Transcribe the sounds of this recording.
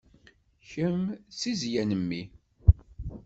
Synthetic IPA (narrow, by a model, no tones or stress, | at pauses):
çəmsizjænəmːi